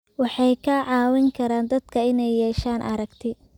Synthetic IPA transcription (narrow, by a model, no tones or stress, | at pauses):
wɑħɑjkʰɐʕɑːwɪŋkʰɐɾaːnd̪ɐd̪kʰɐɪnɛjːɛːʃaːnʔɐ̰ɾɐɡt̪ʰɪ